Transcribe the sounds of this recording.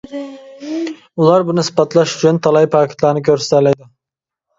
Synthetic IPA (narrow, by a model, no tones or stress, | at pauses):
ulˠɑɾbʊnɪsɨ̥bɑt̪lˠɑʃʊ̥t͡ʃʰʊnt̪ʰɑlˠɑjpʰɑːkʲʰɪ̥t̪lˠɑɾnɪkʲʰøɾse̥t̪æɾlɛjd̪ɪ